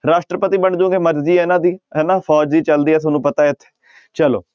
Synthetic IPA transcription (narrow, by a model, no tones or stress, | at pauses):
ɾaːʂʈɾəpət̪iːbəɳd͡ʒũːɡeːməɾd͡ʒiːɛnãːd̪iːenãːpʰɔːd͡ʒd̪iːt͡ʃəld̪iːɛːts̬ʰnũːpət̪aːɪt̪ʰːe̥ | t͡ʃəlo̰ː